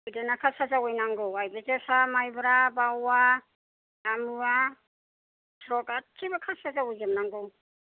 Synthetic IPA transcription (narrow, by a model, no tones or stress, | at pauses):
udanakʰasazawɔjnaŋɡɯwajbezesamajbɾabawa | amɯa | tʰɾɔkatʰːibakʰasazawɔjzɯmnaŋɡɯw